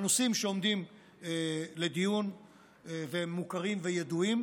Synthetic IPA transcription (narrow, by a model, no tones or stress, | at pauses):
nosimʃeo̞md̪im | ele̞d̪ijun | veemːukaʁimvejed̪uim